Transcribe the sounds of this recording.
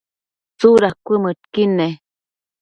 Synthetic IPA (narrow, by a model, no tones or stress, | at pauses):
t͡suɾakʷəməʈkine